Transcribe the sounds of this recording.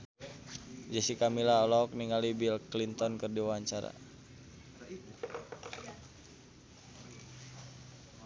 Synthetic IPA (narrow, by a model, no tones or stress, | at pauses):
d͡ʒasikamilaɔlɔk̚niŋalibilklint̪ɔnkɨrdiwaɲt͡ʃaɾa̰